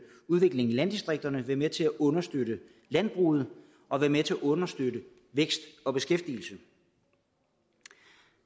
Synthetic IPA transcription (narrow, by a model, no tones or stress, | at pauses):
uð̞ˠʋe̝ɡ̥le̝ŋilæn̰d̥isd̥ʁeɡ̥̚d̥ɐnəʋæmet͡sʰe̝æʔɔ̽nɐsd̥øɾə | læn̰b̥ʁṵːð̞̩ˠ | ʔɒ̽ʋæɐmet͡sʰe̝æʔɔ̽nɐsd̥øɾə | ʋeɡ̥sd̥ɒ̽b̥e̝sɡ̥efd̥il̩sə